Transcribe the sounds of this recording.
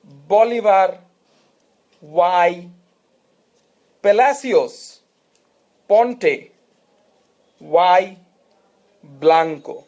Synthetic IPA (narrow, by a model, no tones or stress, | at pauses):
bɔliʋaɾ | waj | pelasios | pɔɳʈe | waj | blaŋko̰